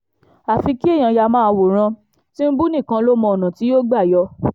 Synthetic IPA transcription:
a˨fi˧ki˦e˦˨j̃ã˧ja˧mã˦˧wo˨ɾ̃ã˧ | tĩ˦n̩˦bu˦nĩ˦˨kã˧lo˦mɔ̃˧˨o˨nã˨ti˨˦jo˦ɡ͡ba˦˨jɔ˧

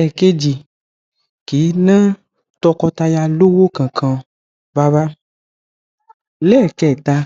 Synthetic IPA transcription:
ɛ˨ke˦d͡ʒi˨ | ki˨˦nã˦ | t̪ɔ˦kɔ˦t̪a˧ja˦˧lo˦wo˦kã˨kʰã˨ | va˦va˦ | le˦˨kɛ˦˨t̪a˧

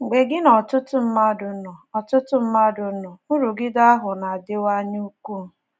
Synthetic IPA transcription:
ŋ̩˨ɡ͡be˨ɡɪ˦nɔ˨tʊ˦tʊ˦m̩˦ma˦dʊ˨˦nɔ˨ɔ˨tʊ˦tʊ˦m̩˦ma˦dʊ˨˦nɔ˨u˦ɾu˨ɡɪ˦da˦a˦ɦʊ˨na˨a˨dɪ˦wa˦ɲ˦u˦ku˦˨

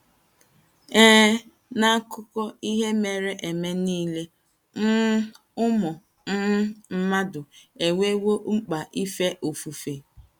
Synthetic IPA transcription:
eː˦ | na˦kʊ˦kɔ˦i˦ɦe˦me˨ɾe˨ʔe˨me˦niː˦le˦ | n̩˦ | ʊ˦mʊ˨ | n̩˦m̩˦ma˦dʊ˨e˨wʷe˦wo˦ŋ͡m̩˦k͡pa˨ʔi˦fe˦ʔo˨fu˨fe˨

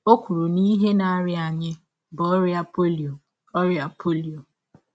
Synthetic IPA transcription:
o˦kʷu˨ɾu˨ni˦ɦe˦na˨˦ɾɪ˦a˨ɲɪ˦ | bɔ˦ɾa˨˦po˦˨ | ɔ˦ɾja˨pʰo˦li˨o˨

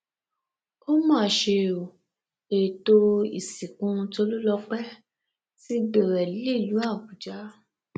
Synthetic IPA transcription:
ko˦mãː˦˨ʃe˧o˨ | e˨to˧ḭ˨si˨kũ˧˦˧to˧lu˦lɔ˧k͡pɛ˦ | si˦ɡ͡be˨ɾɛ˨lli˦˨lu˨˦a˦˨bu˨d͡ʒa˨˦

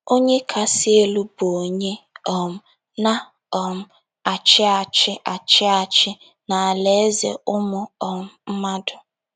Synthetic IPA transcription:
o˦ɲe˦kʰa˨sɪ˦e˦lu˦bo˨ɲe˦ɔ˨m̩˨ | na˦ | ɔ˨m̩˨ | a˨t͡ʃɪ˦a˨t͡ʃɪ˦ʔa˨t͡ʃɪ˦a˨t͡ʃɪ˦ | na˨a˨le˨˦zḛ˨ʊ˦mʊ˦ɔ˨m̩˨m̩˦ma˦dʊ˨

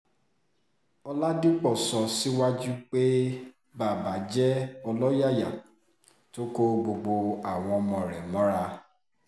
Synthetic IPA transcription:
ɔ˧la˦di˦k͡pɔ˦˨sɔ˧si˦wa˦d͡ʒu˦k͡pe˦ | ba˦˨ba˨˦d͡ʒɛ˦ɔ˧lɔ˦ja˦˨ja˨ | to˦ko˦ɡ͡bo˧ɡ͡bo˧a˨w̃ɔ̃˧ɔ˧mɔ̃˨ɾɛ˨mɔ̃˨˦ɾa˦

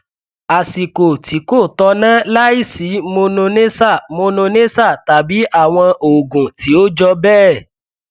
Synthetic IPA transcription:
a˨si˨ko˨ti˨˦ko˦˨tɔ˧˦nã˦la˦i˦˨si˨˦mo˧nũ˧nẽ˦sa˦˨mo˧nũ˧nẽ˦sa˦˨ta˨bi˨˦ʔa˦˨w̃ɔ̃˧ʔo˨ɡũ˨ti˨˦o˦d͡ʒɔ˧bɛː˦˨

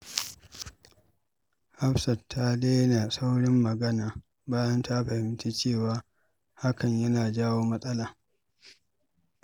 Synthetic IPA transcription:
ha˦ɸsɐ˨tʰːa˦deː˦jɐ˦naː˨sa˦wɽɪ˦mːɐ˨ɡɐ˦naː˨ | baː˦jɐ˦nta˦ɸɐ˨hɪ˦mti˦t͡ʃeː˦˨waː˦ | ha˦kɐ˨ɲjɐ˦naː˨d͡ʒaː˦woː˦mɐ˦sʼɐ˦laː˨

